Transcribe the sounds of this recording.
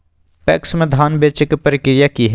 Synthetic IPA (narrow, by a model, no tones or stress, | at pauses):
pɛksmẽd̪ʱaːnbeːt͡ʃɪkpəɾɪkɾɪjakiɦe